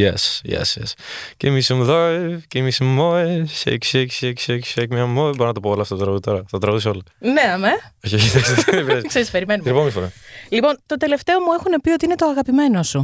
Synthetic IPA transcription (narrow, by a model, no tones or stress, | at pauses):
jḛsjḛsjḛscemisumðoecemisummoesḛkseksekseksekmɐmoeboɾinɐt̪ɐpoolɐft̪ot̪t̪ɾɐɣuðit̪o̞ɾɐɐt̪ɾɐɣuðisoolɐneɐmeoçioçit̪ɐkspiɐskseɾispe̞ɾimenumɾpomisfoɾɐlipo̞nt̪o̞t̪e̞le̞ft̪e̞omuexunepio̞t̪iinet̪oɐɣɐpime̞nosu